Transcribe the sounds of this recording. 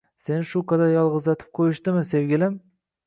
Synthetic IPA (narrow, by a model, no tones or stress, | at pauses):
se̞nɪʃʊkad̪ajɒlˠʁɨzlat̪ʰɪ̥p̚qʰojɪʃt̪ɪmɪse̞wɡʲɪlɪm